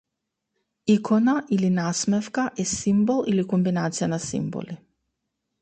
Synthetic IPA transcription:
ikʰɔnaʔilinasmɛfkaʔɛsimbolˠilikɔmbinat̪sijanasḭmbo̰li

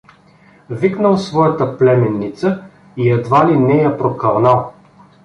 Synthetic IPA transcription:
viknəlˠsvɔjət̪əplɛmɛnːit̪sə | iɛd̪valinɛjapɾokɐɾnalˠ

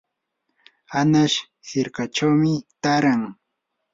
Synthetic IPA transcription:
anaʃ | hɪɾkat͡ʃawmɪt̪aɾaŋ

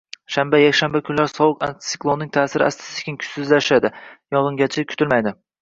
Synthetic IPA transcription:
ʃambajakʲʃambakʰʲʊnlaɾsɒwʊka̰nt̪sɪ̥klˠonɪŋt̪ʰaːsɪɾɪ̰a̰st̪ɪ̥sɪt̪ʰe̥kʲɪnkʰʊ̥t̪ɪzlaʃad̪ɪjɒʁɨŋɡʲat͡ʃʰakʲʰʊ̥t̪ɪlmajd̪ɪ

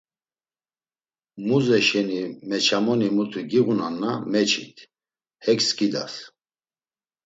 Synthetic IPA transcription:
muzɛʃɛnimɛt͡ʃʰamɔnimut̪ʰiɡiɣunanːamɛt͡ʃʰḭt̪ʰ | hɛkskʼid̪as

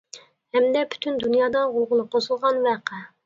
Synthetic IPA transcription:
hɛmd̪ɛpʰy̥t̪ʰynd̪unjɑːd̪ɑʁʊlˠʁʊnɨqʰosulˠʁɑnvæqʰɛ

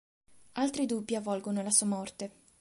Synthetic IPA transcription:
alt̪ɾid̪ubːjiavɔlɡonolasuːamɔrt̪e

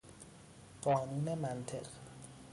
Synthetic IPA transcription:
ɢ̥ɒːnuːne̞mænt̪ʰe̞̰ɢ

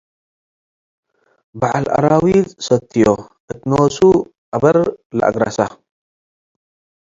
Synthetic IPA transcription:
baʕalʔa̰ɾawid̪sɐt̪ʰːijoʔɨt̪nowsu | ʔabɐɾlɐ̰ʔa̰ɡɾa̰sa

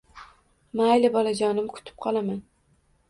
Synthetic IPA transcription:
maajlɪbɒlˠad͡ʒɒnɪmkʰʊ̥t̪ʰɪ̥p̚qʰɒlˠaman

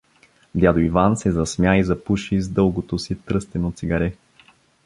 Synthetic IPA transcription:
d̪ʲjad̪oivansɛzɐsmʲjaizɐpuʃizd̪ɤlˠɡot̪osit̪ɾɤst̪ɛnot̪siɡɐɾɛ

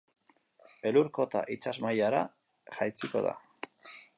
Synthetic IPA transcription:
e̞luɾko̞t̪a̰ʔit͡sazmajaɾa̰ | ʝajt͡siko̞̰ð̞a̰

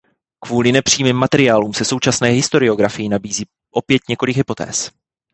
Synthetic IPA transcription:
kvuːlɪnɛpr̥iːmiːmːat̪ɛɾɪaːluːmsɛso̞wt͡ʃasnɛːɦɪst̪o̞ɾɪo̞ɡɾafɪjɪnabiːziː | ʔo̞pjɛt̪ɲɛko̞lɪɡɦɪpo̞t̪ɛ̰ːs

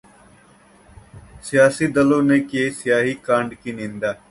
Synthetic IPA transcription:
sɪjaːsiːd̪əlõːneːkeːsɪjaːɦiːkãːɳɖkinĩːnd̪aː

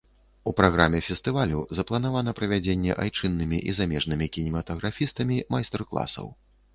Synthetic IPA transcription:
upɾaɣɾamʲɛfʲɛst̪ɨvalʲuzɐplˠɐn̪avan̪ɐpɾɐvʲad͡zʲenʲːɛ̰ʔajt͡ʂɨnːɨmʲiʔizamʲɛʐnɨmʲikʲinʲimɐt̪ɐɣɾafʲist̪ɐmʲimajst̪ɛrklˠa̰sɐ̰w

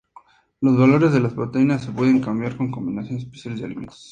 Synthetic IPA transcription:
lo̞zβalo̞ɾe̞zðe̞laspɾo̞t̪e̞inasːe̞pwe̞ðe̞ŋkambjaɾko̞ŋko̞mbinasjo̞nese̥spesjalezðea̰limḛnt̪e̥s

